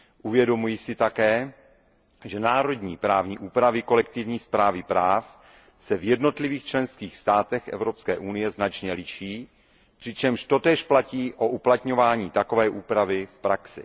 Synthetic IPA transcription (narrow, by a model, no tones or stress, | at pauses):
ʔuvjɛdo̞mujɪsɪt̪akɛː | ʒɛnaːɾo̞dɲḭːpɾaːvɲḭːʔuːpɾavɪko̞lɛk̚t̪ɪvɲiːspɾaːvɪpɾaːf | sɛvjɛdno̞t̪lɪviːxt͡ʃlɛnskiːxst̪aːt̪ɛxʔɛ̰vɾo̞pskɛːʔunɪjɛznat͡ʃɲɛlɪʃiː | pr̥ɪt͡ʃɛmʃt̪o̞t̪ɛːʃplaciːʔo̞ʔuplat̪ɲo̞vaːɲiːt̪ako̞vɛːʔuːpɾavɪfpɾaksɪ̰